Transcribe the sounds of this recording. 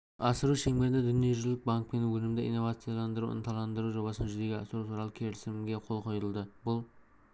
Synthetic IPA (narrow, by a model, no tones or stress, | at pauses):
ɑsəɾuʃeŋmed̪ɪd̪ʏnijeʒʏlɪk̚baŋk̚pe̞nwɵlɪmd̪ɪʔḭnːo̞vat̪sɨjalˠɑnd̪əɾṵɪ̰nt̪ʰɑlˠɑnd̪əɾuʒo̞bɑsənʒʏze̞ɡʲeɑsəɾuwt̪ʰuɾɑlˠəkʲʰe̞ɾɪsɪmɡʲeqʰo̞lˠqʰo̞jəlˠd̪əbʊlˠ